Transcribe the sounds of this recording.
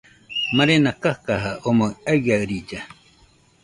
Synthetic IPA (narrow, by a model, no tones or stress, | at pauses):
mãɾenakahkaɦaʔomoaɡaɯɾid͡ʒa